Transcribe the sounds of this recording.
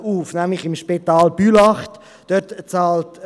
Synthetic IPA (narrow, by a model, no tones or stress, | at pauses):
uːfnæmlɪχɪmʃpitɑːlb̥ylɑχt | d̥œtt͡sɑːlt